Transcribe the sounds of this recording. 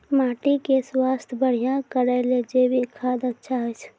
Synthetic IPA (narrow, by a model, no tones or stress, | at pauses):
maːʈikeswaːst̪ʰbəɽ̤ijãkəɾəled͡ʒebʱikʰaːd̪ətːʃʰaɦɛt͡ʃʰ